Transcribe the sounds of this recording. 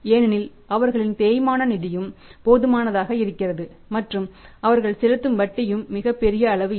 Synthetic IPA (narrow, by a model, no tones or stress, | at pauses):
eːnɐnɪl | ʔɐʋɐɾɣɐɭɪnt̪eːjmaːnɐnɪðɪjɯmpoːðɯmaːnɐðaːɣɐɪɾɯkːɪrɐðɯ | mɐʈrɯmɐʋɐɾɣɐɭsɛlɯt̪ːɯmʋɐʈːɐjɯmːɪɣɐpːɛɾɪjɐːɭɐʋɯ